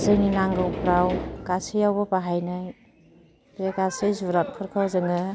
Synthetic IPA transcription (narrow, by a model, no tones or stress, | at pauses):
zɯninaŋɡɯwpɾawɡasijawbɔpaɦajnaj | bɾeɡasɯjzuɾat̚pʰɯɾkʰawzɯŋɯ